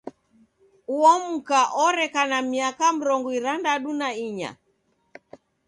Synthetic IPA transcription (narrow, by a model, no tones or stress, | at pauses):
uɔm̩kaʔɔɾɛkanamiakam̩ɾɔŋɡɔiɾandaɗunaiɲa̰